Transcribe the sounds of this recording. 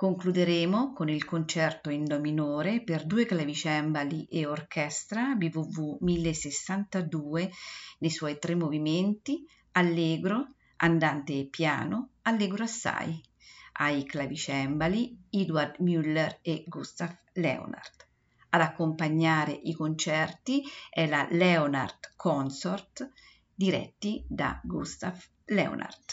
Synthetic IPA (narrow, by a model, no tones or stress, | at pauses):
koŋklud̪eɾeːmokonilkont͡ʃɛrt̪oind̪ominoːɾeperd̪uːeklavit͡ʃɛmbaliʔeorkʰɛst̪ɾabivuvumilːesesːant̪ad̪uːenejswɔjt̪ɾemːoviment̪i | alːeːɡɾo | a̰nd̪ant̪eːpːja̰ːnoalːeːɡɾoasːa̰j | ajklavit͡ʃɛmbaliid̪ward̪mylːɛɾeɡust̪af | lɛ̰o̰na̰rd̪ | ad̪akːompaɲːaːɾeʔikont͡ʃɛrt̪iɛlalɛona̰rd̪kʰɔnsort̪ | d̪iɾɛ̰t̪ːid̪a̰ɡust̪af | lɛ̰o̰na̰rd̪